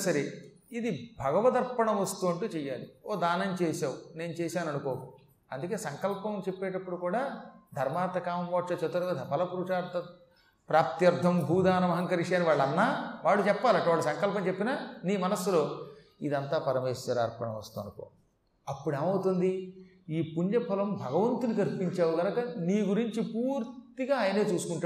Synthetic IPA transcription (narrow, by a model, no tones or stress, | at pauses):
sɐɾe | id̪ibʱɐɡɐʋɐt̪ɐɾpɐɳɐmʋɐst̪uːɐɳʈuːt͡ʃɛːjːaːlioːd̪aːnɐnt͡ʃɛːsaːwuneːnut͡ʃɛːsaːnɐnukoːu | ɐ̰nd̪uke̞ːsɐŋkɐlpɐmt͡ʃepːeːʈɐpːuɽukuːɽaːd̪ʱɐɾmaːɾt̪ɐkaːmmʋɐʈʂɐt͡ʃɐt̪ːɐɾɐʋɐːd̪ʱɐpɐlɐpuɾuʂaːɾt̪ɐ | pɾaːp̚t̪jɐɾd̪ʱːɐmbʱuːd̪aːnɐmɐɦɐŋkɐɾiʂaːniʋaːɭːɐnːaːʋaːɭːut͡ʃɛpːaːlɐɳʈːɐʋaːɭːusɐŋkɐlp̬ɐmt͡ʃepːinaːniːmɐnɐsːulo̞ː | id̪ɐnt̪aːpɐɾɐmeːsɐɾaːɾpɐnɐ̰mɐst̪uːɐnɐko̰ː | ɐpːuɽeːmɐwut̪und̪i | iːpuɲd͡ʒɐpʰɐlɐmbʱɐɡɐʋɐnt̪unikɐɾpiɲt͡ʃaːwuɡ̪ɐnɐkɐniːɡuɾiɲt͡ʃipuːɾt̪iɡaːjɐne̞ːt͡ʃuːsu̥kuɳʈa